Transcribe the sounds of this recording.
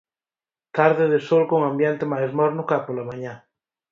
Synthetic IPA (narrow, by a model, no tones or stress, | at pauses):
t̪aɾðeðesolkoŋãmbjent̪emajzmɔɾnʊkapolamaɲa